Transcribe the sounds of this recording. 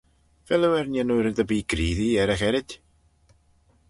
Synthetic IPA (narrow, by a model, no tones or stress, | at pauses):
v̥ɛlˠɛwɛrnjanuɾɪndəbiːɡriːðiɛɾɛχɛɾɪd̥